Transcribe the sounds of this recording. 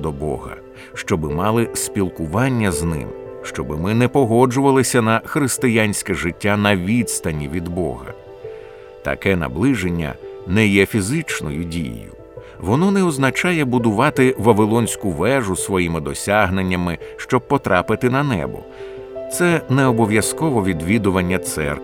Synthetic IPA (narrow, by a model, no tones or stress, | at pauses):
d̪ɔbɔ̰ɦɐ̰ | ʃt͡ʃɔbɪmɑlˠɪsʲpʲilˠkʊʋɑnʲːɐznɪ̰mʃt͡ʃɔbɪmɪnɛpɔɦɔd͡ʒʊʋɐlˠɪsʲɐnɐxɾɪst̪ɪjanʲsʲkɛʐɪtʲːanɐʋʲid̪st̪ɐnʲːiʋʲid̪bɔ̰ɦɐ̰ | t̪ɐ̰kɛnɐ̰blˠɪʐenʲːɐ̰nɛjɛfʲizɪt͡ʃnɔ̰jʊdʲḭjʊ̰ | ʋɔnɔnɛɔznɐt͡ʃɑjɛbʊd̪ʊʋɑt̪ɪʋɐʋɪlˠɔnʲsʲkʊʋɛʐʊsʋɔjimɪd̪ɔsʲaɦnenʲːɐmɪʃt͡ʃɔb̚pɔt̪ɾʔɑpɪt̪ɪnɐnɛ̰bɔ̰ | t̪sɛnɛɔbɔʋʲjɐskɔʋɔʋʲid̪ʋʲid̪ʊʋɐnʲːɐt̪sɛ̰rk